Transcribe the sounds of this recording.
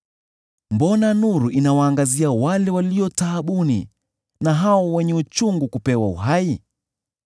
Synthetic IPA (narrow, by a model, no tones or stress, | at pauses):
mbɔnanuɾuʔinawaːŋɡaziawalɛwaliɔtaːɓunḭ | naɦaɔwɛɲɛut͡ʃuŋɡukupɛwaṵɦai